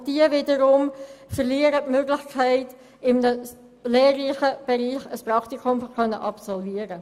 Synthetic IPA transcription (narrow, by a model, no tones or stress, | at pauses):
d̥iəvɪːdəɾʊmfəɾliːəɾətmøɡlɪçkʰæɪt | ɪmnə | leːrliχəb̥ɛɾiːχəsprɑktikʊmfɔkʰœnːəʔɑpsɔlviəɾə